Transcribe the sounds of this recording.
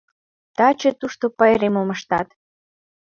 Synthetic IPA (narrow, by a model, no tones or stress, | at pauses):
t̪ɑt͡ɕet̪uʃt̪opɑeɾemoməʃt̪ɑt̪